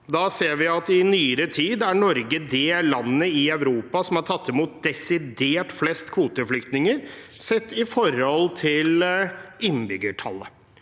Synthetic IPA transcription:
d̪ɑːseːɾʋɪɑt̪ɪnyːəɾət̪ʰiːd̪æɳɔɾɡəd̪ɛlɑnːəɪœʉɾuːpɑsɔmɑʈʰɑt̪ːɪmuːt̪̚d̪ɛsɪd̪eːʈflɛst̪kʰʋuːt̪əflʏkt̪nɪŋəɾ | sɛt̪ːɪfɔɾhɔlt̪ʰɪl | ɪnːbʏɡəʈʰɑ̰lːə

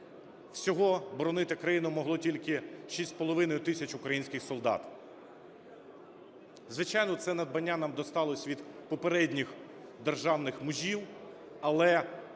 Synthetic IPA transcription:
wsʲɔɦɔbɔɾɔnɪt̪ɪkɾɐjinʊmɔɦlˠɔtʲilʲkɪʃisʲsʲpɔlˠɔʋɪnɔjʊt̪ɪsʲɐt͡ʃʊkɾɐjinʲsʲkʲɪxsɔlˠd̪ɑ̰t̪ | zʋɪt͡ʃɑjnɔt̪sɛnɐd̪̚bɐnʲːanɐmd̪ɔst̪ɑlˠɔsʲʋʲid̪pɔpeɾɛdʲnʲix | d̪erʒɑwnɪxmʊʒʲiw | ɐlˠɛ

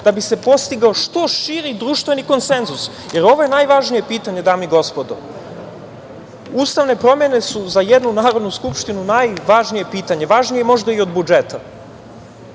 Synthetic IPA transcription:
d̪̥abise̞po̞st̪iɡaoʃt̪o̞ʃiɾid̪ɾuːʃt̪ʋe̞niko̞nse̞nzus | je̞ɾo̞ʋo̞je̞najʋaʒnije̞piːt̪aɲe̞d̪aːmiɡo̞spo̞d̪o̰ | uːst̪aʋne̞pɾo̞mje̞ne̞suzajed̪nunaːɾo̞d̪nuskupʃt̪inunajʋaʒnije̞piːt̪aɲe̞ʋaʒnijemo̞ʒd̪aio̞d̪bud͡ʒet̪a

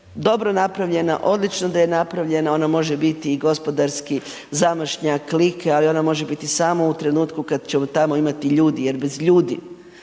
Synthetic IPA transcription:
d̪o̞bɾonapɾaʋʎe̞na̰ʔo̞d̪lit͡ʃno̞d̪aje̞napɾaʋʎe̞nao̞namo̞ʒebit̪iːɡo̞spo̞d̪aɾski | zamɾʃɲaklikalio̞namo̞ʒebit̪isaːmo̞ut̪ɾe̞nuːt̪kukad̪̚t͡ɕemot̪amo̞imat̪iʎuːd̪ije̞ɾbezʎuːd̪ḭ

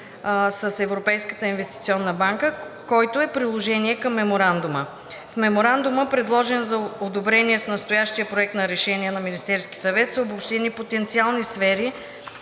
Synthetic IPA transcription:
səsɛvɾopɛjskə̥t̪əinvɛst̪it̪siɔnːəbaŋkəkɔjt̪ʊɛpɾilˠoʒɛniɛkɐmːɛmoɾand̪umə̰ | fmɛmoɾand̪ʊməpɾɛd̪lˠɔʒɛnzɐod̪obɾɛniɛsnɐst̪ojaʃt̪iəpɾoɛk̚t̪nɐɾɛʃɛniɛnɐminist̪ɛɾski̥sɐvɛt̪sɐobʊpʃt̪ɛnipot̪ɛnt̪sialˠnisfɛɾi

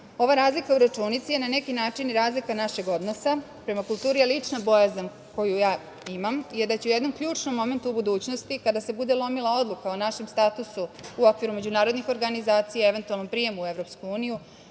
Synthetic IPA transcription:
o̞ʋaɾaːzlikauɾat͡ʃuːnit̪sije̞nane̞kinaːt͡ʂiniɾaːzlikanaʃe̞ɡo̞d̪no̞sa | pɾe̞makulˠt̪uːɾijelit͡ʂnabo̞jazan | ko̞jujaː | imamjed̪at͡ɕeuje̞d̪no̞mkʎuːt͡ʂno̞mːo̞me̞nt̪uːbud̪uːt͡ɕno̞st̪ikad̪ase̞bud̪elo̞milˠao̞d̪lˠukaonaʃe̞mst̪at̪usuuo̞kʋiɾume̞d͡ʑunaːɾo̞d̪nixo̞ɾɡanizaːt̪sijaeʋe̞nt̪ualno̞mpɾije̞mue̞vɾo̞pskuuːniju

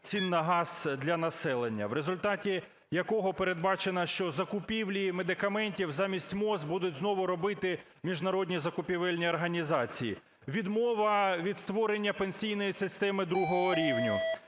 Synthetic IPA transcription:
t͡sʲinːɐɦɑz̥d̪lʲɐnɐsɛlˠenʲːɐ̰ʋɾezʊlʲt̪ɑtʲi | jɐkɔɦɔpeɾe̞d̪bɑt͡ʃenɐʃt͡ʃɔzɐkʊpʲiwlʲimed̪ɪkɐmɛnʲtʲiwzɑmʲisʲtʲmɔzbud̪ʊtʲznɔʋʊɾɔbɪt̪ɪ | mʲiʒnɐɾɔdʲnʲizɐkʊpʲiʋɛlʲnʲiɔrɦɐnʲizɑt͡sʲijḭ | ʋʲid̪mɔʋɐʋʲid̪st̪ʋɔɾenʲːɐpenʲsʲijnɔjisɪst̪ɛmɪd̪ɾuɦɔɦɔɾʲiwnʲʊ

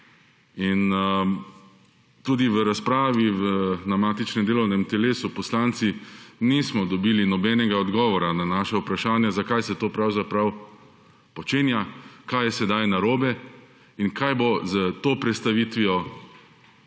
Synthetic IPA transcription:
in | t̪uːd̪iʋəɾaspɾaːʋiʋənamaːt̪it͡ʃnɛmd̪eːlɔwnɛmt̪ɛleːsupɔslaːnsinismɔd̪ɔbiːlinɔbɛːnɛɡaɔd̪ɡɔːʋɔɾananaːʃaupɾaʃaːnjazakajsɛt̪oːpɾawzapɾaw | pɔt͡ʃeːnjakaːjɛsɛd̪ajnaɾoːbɛ | inkajbozət̪oːpɾɛt̪st̪aʋit̪ʋiɔ

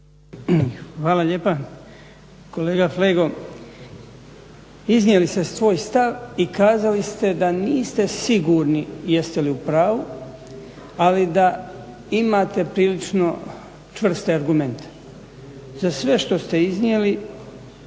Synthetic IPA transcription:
xʋaːlaʎeːpa | ko̞le̞ːɡafleɡo̞ | iznijelist̪e̞sʋo̞ːjst̪aʋikaːzalist̪e̞d̪aniːst̪e̞siɡuɾnije̞st̪e̞liupɾaːʋu | alid̪a | imaːt̪e̞pɾiːlit͡ʃno̞ | t͡ʃʋr̩st̪e̞aɾɡume̞nt̪ʰe̥ | zasʋe̞ʃt̪o̞st̪e̞iznijeli

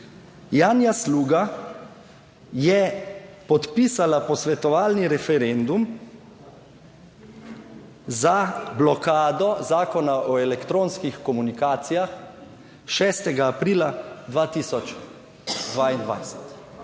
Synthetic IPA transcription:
janjasluːɡa | jɛpɔt̪pisalapɔsʋɛt̪ɔʋaːlniɾɛfɛɾend̪um | zablɔkaːd̪ɔzaːkɔnaʔɔɛlɛkt̪ɾoːnskixkɔmunikaːt̪sijax | ʃɛːst̪ɛɡaːpɾiːlad̪ʋaːt̪iːsɔt͡ʃ | d̪ʋaind̪ʋa̰jsɛ̥t̪

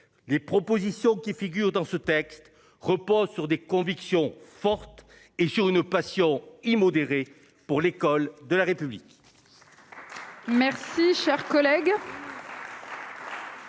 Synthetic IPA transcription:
lepχɔpozisjɔ̃kʲifiɡyʁd̪ɑ̃sət̪ɛkst̪ | ʁəpɔzsyʁd̪ekɔ̃viksjɔ̃fɔʁt̪ | esyʁynpasjɔ̃imɔd̪eʁe | puʁlekɔld̪əlaʁepyblik | mɛʁsiʃɛʁkɔlɛɡ

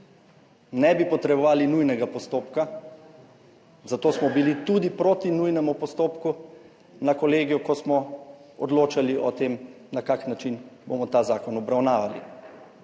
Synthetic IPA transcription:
nɛbipɔt̪ɾɛbɔʋaːlinujnɛɡapɔst̪oːpka | zat̪oːsmɔbilit̪ud̪ipɾoːt̪inujnɛmupɔst̪oːpku | nakɔleːɡijɔkɔsmɔɔd̪loːt͡ʃaliɔt̪eːm | nakaːknːat͡ʃinbo̰mɔt̪aːzaːkɔnɔbɾawnaːʋalḭ

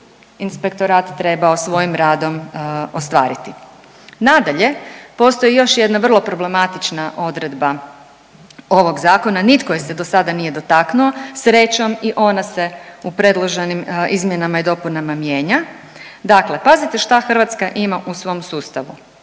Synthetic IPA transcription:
inspekt̪o̞ɾaːt̪ːɾe̞baosʋo̞jimɾaːd̪o̞most̪ʋa̰ːɾit̪i | nad̪aʎe̞po̞st̪o̞jijo̞ʃje̞d̪naʋr̩lˠo̞pɾo̞ble̞mat̪it͡ʃnaʔo̞d̪ɾe̞d̪ba | o̞ʋo̞ɡzaːko̞nanit̪kojese̞d̪o̞sad̪anije̞d̪o̞t̪aknuosɾe̞t͡ʃo̞miʔo̞nase̞upɾe̞d̪lˠoʒenimizmjenamaid̪o̞punamamje̞ːɲa | d̪akle̞pazit̪e̞ʃt̪axr̩ʋat̪skaʔimaʔusʋo̞msuːst̪aʋu

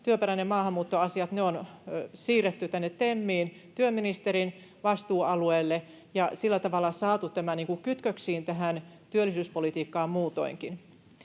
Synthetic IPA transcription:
t̪yøpæɾæinemmɑːhɑmːuːt̪ːoɑsiɑt̪neonsiːret̪ːyt̪ænːet̪temːiːn | t̪yømːinist̪eɾin | ʋɑst̪uːɑlueːlːe | jɑsilːæt̪ɑʋɑlːˑɑsɑːt̪utt̪æmæniːŋkukyt̪køksiːnt̪æɦænt̪yølːˑisyːspolit̪iːkːɑːmmuːt̪o̰iŋkin

